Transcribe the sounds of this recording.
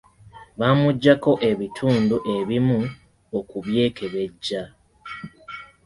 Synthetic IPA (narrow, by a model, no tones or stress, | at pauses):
βamuɟːako̞ʔe̞βitʰuːnduʔe̞βimu | okuβje̞ːkʰe̞βe̞ɟːa